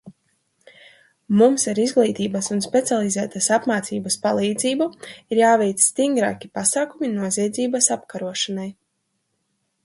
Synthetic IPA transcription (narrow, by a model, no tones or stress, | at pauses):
mumsaɾizɡlˠiːt̪iːbasunspet̪sialˠizæːt̪asapmaːt̪siːbaspalˠiːd̪ziːbuiɾjaːvɛjt̪ssːt̪iŋɡɾa̰ːkʲipasaːkuminuɔziɛd̪ziːbɐsapkaɾuɔʃanaj